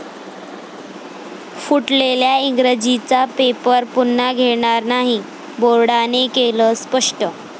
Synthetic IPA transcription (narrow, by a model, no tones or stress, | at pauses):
fuʈleljaiŋɡɾəd͡ʑit͡sapepəɾpunːaɡʱeɽ̃aɾnaɦi | boɾɽanekeləspəʂʈə